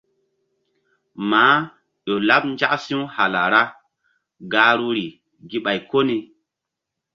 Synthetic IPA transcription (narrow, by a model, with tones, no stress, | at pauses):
maː˨˦ | ɗo˨la˦p̚n˦d͡ʒa˦ksi˦u˦ha˨la˨ɾa˦ | ɡaː˦ɾu˦ɾi˨ | ɡi˦ɓa˨jko˦ni˨